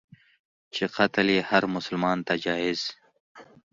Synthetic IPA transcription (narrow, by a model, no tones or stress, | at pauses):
t͡ʃiqɐt̪liːhɐɾmʊsəlmaːnt̪ad͡ʑaːiz̥